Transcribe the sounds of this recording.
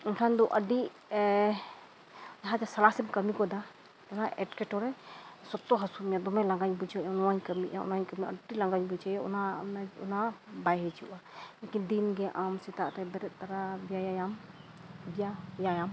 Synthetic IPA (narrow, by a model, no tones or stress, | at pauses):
ɛnkʰand̪ɔʔəɖi | d͡ʒaɦad͡ʒasalasɛmkəmikɔd̪a | ɔnaʔɛʈkɛʈɔɾɛsɔt̪ːɔɦasumjad̪ɔmɛlaŋɡaɲbud͡ʒʰaʔɔnɔwaɲkəmiʔaɔ̰naɲkəmiə̰ɖilaŋɡaɲbud͡ʒajɔɔ̰nanaɔ̰nabajɦɛt͡ʃuʔalɛkind̪inɡɛʔamsit̪aʔɾɛbɛɾɛt̪̚ˀt̪aɾabijajajam | bijajajam